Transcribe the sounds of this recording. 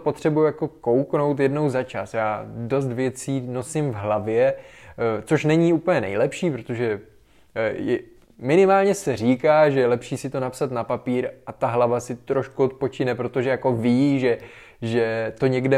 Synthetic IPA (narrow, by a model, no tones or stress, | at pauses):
po̞t̪r̝̥ɛbujujako̞ko̞wkno̞wt̪jɛdno̞wzat͡ʃasjaːdo̞s̬t̪vjɛt͡siːno̞sɪmvɦlavjɛ | t͡so̞ʃnɛɲiuːpl̩ɲɛnɛ̰jlɛpʃiːpɾo̞t̪o̞ʒɛ | jɛ | mɪnɪmaːlɲɛsɛr̝iːkaːʒɛjɛlɛpʃiːsɪt̪o̞napsat̪napapiːɾʔat̪aɦlavasɪt̪ɾoʃkuot̪̚po̞t͡ʃɪnɛpɾo̞t̪oʒɛjako̞viʒɛ | ʒɛt̪o̞ɲɛɡdɛ